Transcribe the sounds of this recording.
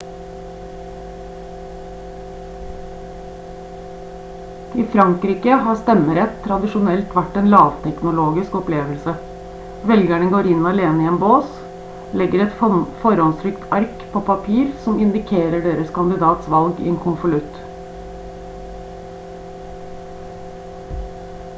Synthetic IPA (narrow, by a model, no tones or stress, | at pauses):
ɪfɾɑŋkɾiːkəhɑːst̪ɛməɾɛt̪ʰːɾɑd̪ɪʃʊnɛlt̪ʋæʈːeːnlɑːʋt̪ʰɛknʊloːɡɪskɔpleːʋəlsə | ʋɛlɡæɳəɡoːɾɪnɑleːnəiɪɛːnboːs | lɛɡəɾɛt̪fɔɾɔnsʰɾʏkt̪ʰɑɾkpʰoːpʰɑpʰiːɾsɔmɪnd̪ɪkʰeːɾəɖeːɾəskʰɑnd̪ɪd̪ɑːt̪sʋɑlɡḭeːŋkʰʊnfɔlʉt̪